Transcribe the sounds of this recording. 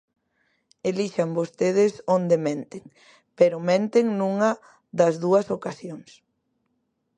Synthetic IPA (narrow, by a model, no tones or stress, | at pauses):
eliʃambost̪eðɪsond̪emẽnt̪ɪŋ | peɾʊmẽnt̪ɪŋnuŋɐ | ðɐzðuɐsokasjoŋs